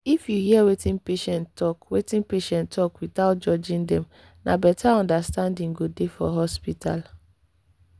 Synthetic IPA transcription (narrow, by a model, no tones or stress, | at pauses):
ifjuhiɛwetĩnpeʃɛ̃ntɔkwetĩnpeʃɛ̃ntʰɔkwiθaʊt̚d͡ʒɔd͡ʒĩndɛm | nabɛtʰaɔ̃ndastãndĩŋ̩ɡodefɔ̰ɦɔspitʰal